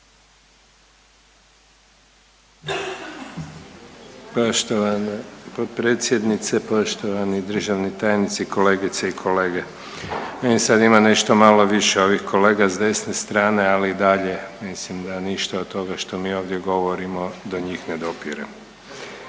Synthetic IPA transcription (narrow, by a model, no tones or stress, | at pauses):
pot̪pɾeːt̪sʲje̞d̪nit̪sepoʃt̪oʋanid̪r̩ʒaʋnit̪aːjnit̪sikʰo̞le̞ːɡit̪seikʰo̞leːɡe̞ | meimsad̪imane̞ʃt̪o̞malo̞ʋiʃeo̞ʋixko̞le̞ːɡazd̪e̞snest̪ɾaːne̞aliːd̪aʎe̞mislimd̪aniʃt̪aod̪t̪ːo̞ɡaʃt̪o̞miːo̞ːʋd̪je̞ɡo̞ʋoɾimo̞d̪oɲiːxned̪o̞piɾḛm